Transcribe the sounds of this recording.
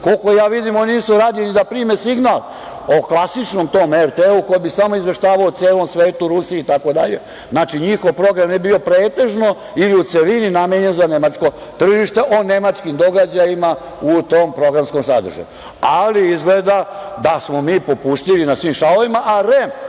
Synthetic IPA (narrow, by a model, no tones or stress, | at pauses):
kolkojaːʋid̪imonniːsuɾaːd̪ilnid̪apɾiːmesiɡnal | oklˠasit͡ʃnomt̪o̞ːmeɾt̪euko̞jibisamo̞izʋe̞ʃt̪aːʋaot̪seːlo̞msʋe̞ːt̪uɾusiːt̪ako̞d̪a̰ʎe̞̰ | znaːt͡ʃiɲixo̞ʋpɾo̞ɡɾamebio̞pɾeːt̪e̞ʒno̞ | iliut̪seʋininamjeɲe̞nzane̞mat͡ʃko̞ | t̪r̩ʒiʃt̪eʔo̞ne̞mat͡ʃkimd̪o̞ɡad͡ʑajima | ut̪oːmpɾo̞ɡɾamsko̞msa̰d̪rʒa̰ju | aliizɡled̪ad̪asmo̞miːpopust̪ilinasʋimʃaoʋimaʔaɾem